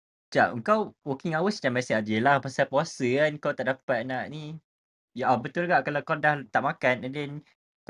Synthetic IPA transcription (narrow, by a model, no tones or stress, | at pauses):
d͡ʒa̰ʔəŋkawwɔkiŋawəsdamasiad͡ʒəlahpasapuasəankawt̪aʔdapat̪̚naʔni | jaʔabət̪ulɡaʔkalawkadaht̪aʔmakanɛndɛn